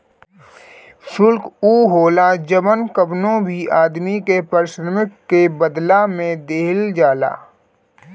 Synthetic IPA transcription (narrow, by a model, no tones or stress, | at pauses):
sʊlkuːɦoːlad͡ʒəmənkəbnõbʱiaːd̪mikepəɾɪʃɾəmɪkːebəd̪lamẽd̪eːɦɪld͡ʒaːla̰ː